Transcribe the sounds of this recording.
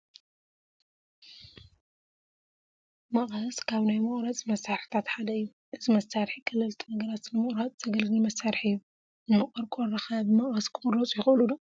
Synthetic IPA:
mɐχʼhɐskʰaβnajmɨχʼɾat͡sʼmɐsːaɾħi̥t̪ʰat̪ħad̪ɐɨjːu | ʔɨzimɐsːaɾħikʰɐlɐlt̪ʰunɐɡɐɾat̪nɨmɨχʼɾat͡sʼz̥ɐɡɐlɡɨlmɐsːaɾħɨjːu | nɨmɨχʼɐɾkʼoɾɐxɐbmɐχʼhɐskʰɨmʼɾot͡sʼjɪxʔɨlud̪o

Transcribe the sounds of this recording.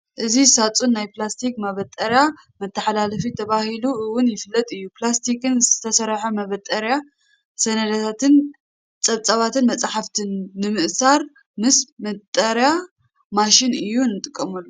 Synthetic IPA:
ʔɨzisat͡sʼunːajplast̪ʰikmɐβɐt̪ʼɐɾja | mɐt̪ʰːɐħalalɐfit̪ʰɐβahiluʔɨwʊnjɪfɨlːɐt̪ʼɨjːuplast̪ʰikɨnzɨt̪ʰɐsɐɾħomɐβɐt̪ʼːɐɾja | sɐnɐd̪at̪ʰat̪ʰɨn | t͡sʼɐβt͡sʼɐβat̪ʰɨnmɐt͡sʼaħaft̪ʰɨnːɨmɨʔsaɾ | mɨsmɐt̪ʼːɐɾja | maʃinɨjːunɨt̪ʼɨkʼːɐmulːu

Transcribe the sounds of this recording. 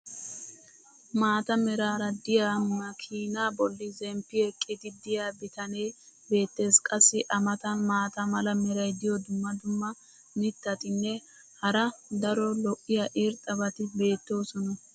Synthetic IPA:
maːt̪ɐmɛɾaːɾɐd̪ɪjaːmɐkʰiːnaːbɔlːɪzɛmpːɪɛkʼːɪd̪ɪd̪ɪjaːbɪt̪ɐne̞ː | be̞ːt̪ːe̞ːskʼɐsːɪʔɐmɐt̪ɐnmaːt̪ɐmɐlɐmɛɾɐjd̪ɪjɔd̪ʊmːɐd̪ʊmːɐ | mɪt̪ːɐt̪ɪnːɛ | hɐɾɐd̪ɐɾɔlɔʔɪjɐʔeːɾt̪ʼɐbɐt̪ɪbe̞ːt̪ːo̞ːsɔnɐ

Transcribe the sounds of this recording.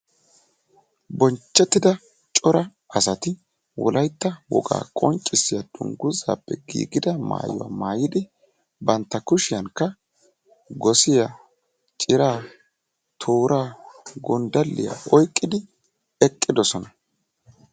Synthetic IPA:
bɔnt͡ʃːɛt̪ːɪd̪ɐ | t͡ʃʼɔɾɐ | ɐsɐt̪ɪ | wɔ̰lʔɐjt̪ːɐwɔ̰ɡa̰ːkʼɔnt͡ʃʼːɪsːɪjad̪̥ʊ̰ŋɡʊza̰ːpːɛɡḭːɡɪd̪ɐma̰ːjʊwa̰maːjɪd̪ɪ | bɐnt̪ːɐkʊʃɪjɐŋkːɐ | ɡɔsɪja | t͡ʃʼɪɾaː | t̪ʰoːɾʔaːɡɔnd̪ɐlːɪja̰ɔjkʼːɪd̪ɪ | ɛkʼːɪd̪ɔsɔnɐ

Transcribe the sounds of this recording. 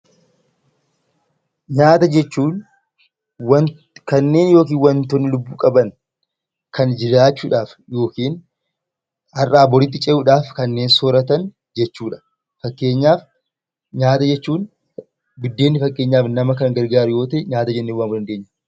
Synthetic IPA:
ɲaːt̪ɐd͡ʒɛt͡ʃːuːn | wɐ | kɐnːe̞ːnjo̞ːkiːnwɐnt̪ɔnːɪlʊbːuːkʼɐbɐn | kɐnd͡ʒɪɾaːt͡ʃːuːᶑaːfjo̞ːkiːn | hɐrʔaːbɔɾɪt̪̬ːɪt͡ʃʼɛʔʊːᶑaːfkɐnːeːnsɔːɾɐt̪ɐn | d͡ʒɛt͡ʃːuːᶑɐ̥ | fɐkʼːe̞ːɲːaːf | ɲaːt̪ɐd͡ʒɛt͡ʃːuːn | bɪd̪ːe̞ːnːɪfɐkʼːe̞ːɲːaːfnɐmɐkɐŋɡɐɾɡaːɾʊjo̞ːt̪eɲaːt̪ɐd͡ʒɛnːeːwaːnɡɔdɐnd̪eːɲːɐ

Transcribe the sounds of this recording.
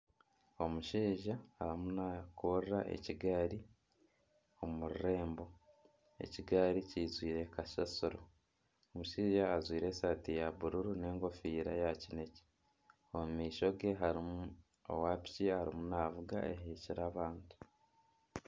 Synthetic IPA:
o̞muʃiːʒaːɾimunakurɾaʔḛciɡaɾi | o̞muɾiɾe̞ːmbo̞ | e̞̰ciɡaɾicizwiːɾe̞kaʃasuɾo | omuʃiːʒaːzwiːɾe̞ːsaːtijaβuɾuɾune̞ːŋɡo̞fiːɾa̰jacine̞ci̥ | omumiːʃo̞ɡeɦaɾim | o̰waːpi̥ciaɾimunaːvuɡa̰eɦiːciɾaːβaːntu̥

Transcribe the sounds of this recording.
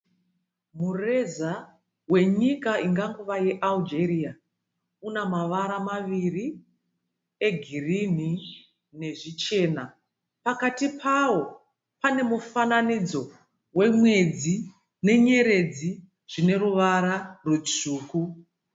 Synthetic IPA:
mure̞za | we̞ɲikaiŋɡaŋɡuʋaje̞ʔald͡ʒe̞ɾia | unamaʋaɾamaʋiri | e̞ɡʱirini | ne̞ʐit͡ʃe̞ːna | pakatipʰawo̞ | pane̞mufananid͡zo̞ | we̞mwe̞d͡zi | ne̞ɲe̞ɾe̞d͡zi | ʐ̥ine̞ɾuʋaɾarut͡suːku

